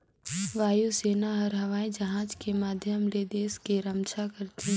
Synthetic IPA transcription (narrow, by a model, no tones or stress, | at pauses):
ʋaːjuseːnaɦɐɾɦɐʋaːẽd͡ʒɐɦãːd͡ʒkemaːd̪ʱjəmled̪eːskeɾɐmt͡ʃakɐɾt̪ĩ